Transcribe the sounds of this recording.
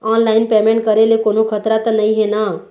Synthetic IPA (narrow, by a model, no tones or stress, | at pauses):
ɔnlaːɪnpemẽɳʈ̚kəɾelekonokʰət̪ɾat̪ənəĩɦena